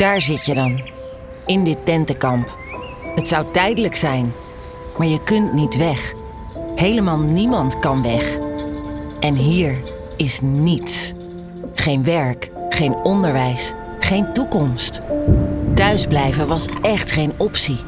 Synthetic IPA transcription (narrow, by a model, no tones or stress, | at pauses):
d̥aːɹzɪtjədɑn | ɪndɪtːɛntəkɑmp | ɦətsɑwtɛjdələksɛjn | maːɹjəkɵntnitʋɛχ | hejləmaːlˠnimɑntkɑnʋɛχ | ʔɛnɦiːɹ | ɪsnits | χejnʋɛɹkχejnɔndəɹʋɛjs | χejntukɔmst | tœɥzblɛjvənʋɑsʔɛχtχejnɔpsi